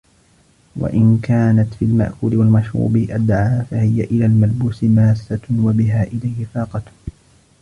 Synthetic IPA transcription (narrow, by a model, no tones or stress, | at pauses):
wa̰ʔɪnkaːnat̪filma̰ʔkuːlɪwalmaʃɾṵːbɪʔad̪ʕaːfahɪjaʔɪlaːlmalbuːsɪmaːsːawabɪɦaːʔɪlajhɪfɑːqɑt̪